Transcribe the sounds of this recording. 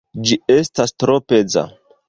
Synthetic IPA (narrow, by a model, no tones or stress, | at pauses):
d͡ʒie̞stastɾo̞pe̞d͡za̰